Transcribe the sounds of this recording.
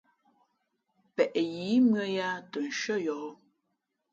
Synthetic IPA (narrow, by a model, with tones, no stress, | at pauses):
pɛ˨ʔji˨˦mɰə˦ja˦tə˨ʃə˦jɔ˨˦